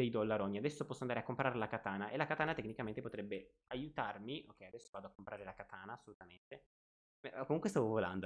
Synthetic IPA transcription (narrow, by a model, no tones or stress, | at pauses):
d̪ejd̪olːaɾoniad̪ɛsːopɔsːoand̪aɾeakːompɾʔaɾelakat̪aːnaʔelːakat̪aːnat̪ekːnikament̪epot̪ɾɛbːe | ajut̪armiʔokːɛjad̪ɛsːovaːd̪oakːompɾʔaːɾelakat̪ʰaːnaːsːolut̪ament̪e | komuŋkwest̪avovola̰nd̪o